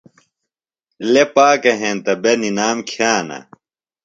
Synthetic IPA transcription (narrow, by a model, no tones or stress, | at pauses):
lepaːkɐɦẽːnt̪ɐbeninaːmkʰjaːnɐ̰